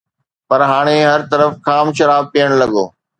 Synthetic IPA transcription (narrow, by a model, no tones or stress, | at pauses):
pɐɾɦaːɽ̃eɦɐɾt̪ɐɾəfkʰaːmʃɐɾaːb̚pijəɽ̃lɐɠoː